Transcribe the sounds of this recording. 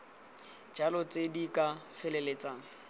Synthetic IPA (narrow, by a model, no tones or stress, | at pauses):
d͡ʒalɔt͡sʼedikʼafɛlɛlet͡sʼaːŋ̩